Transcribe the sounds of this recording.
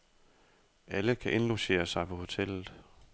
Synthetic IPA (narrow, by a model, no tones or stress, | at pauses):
ʔæləkʰæʔe̝nloɕe̝̰ːɐsɑ̈ɪpʰɒ̽ho̝t͡sʰel̰ð̩ˠ